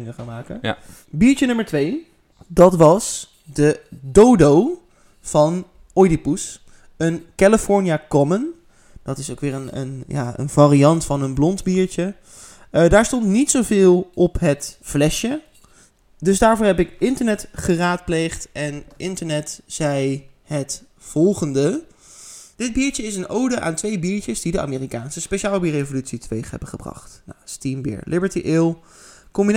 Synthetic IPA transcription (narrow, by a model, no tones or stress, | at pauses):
ŋəχaːnmaːkə | biːɹt͡ʃənɵməɹtʋej | dɑtʋɑs | dədowdow | v̥ɑn | ɔjdipus | ənkaləfɔɹniaːkɔmən | d̥ɑtɪsowkʋɪːɹənə̰nja̰ːə̰nvaːrijɑntfɑnənblɔndbiːɹt͡ʃə | daːɹstɔntnitsowvɪːlˠɔpɦətflɛʃə | dɵzdaːɹvʊːɹɦɛpɪkɪntəɹnɛtχəraːt̚plejχtɛnʔɪntəɹnɛtz̥ɛjhət | fɔlˠχəndə | d̥ɪd̚biːɹt͡ʃəɪsənowdəʔa̰ːntʋejbiːɹt͡ʃəzdidəʔa̰ːmeːrikaːnsəspeʃaːlˠbiːrejvolytsitəʋejχɦɛ̰bəχəbrɑ̰χtna̰stimbɪ̰ːɹlʔɪbəɹtiʔɪlˠ | kɔmbin